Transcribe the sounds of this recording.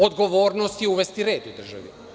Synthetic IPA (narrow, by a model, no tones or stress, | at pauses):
od̪ɡoʋoːɾnost̪iuʋest̪iɾeːd̪ud̪r̩ʒa̰ʋḭ